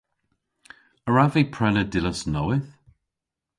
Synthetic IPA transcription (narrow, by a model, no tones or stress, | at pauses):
əɹavipʰɹ̥ɛnədɪləsnɔwɪθ